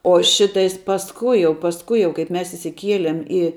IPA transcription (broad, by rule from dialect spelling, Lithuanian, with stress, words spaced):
oː ˈʃʲɪtɐɪs pɐsˈkʊɪ jɛʊ pɐsˈkʊɪ jɛʊ ˈkɐɪp ˈmʲɛs ɪʃʲsʲɪˈkʲiɛlʲiɛm ɪ